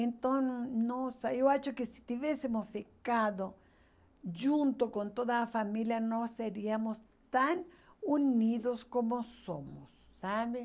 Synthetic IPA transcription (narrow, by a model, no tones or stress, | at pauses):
ent̪onnosajoat͡ʃokesi̥t̪iβjesemosfikaðo | d͡ʒunt̪okont̪oðafamiljanoseɾiamos | t̪an | uniðoskomosomosːaβe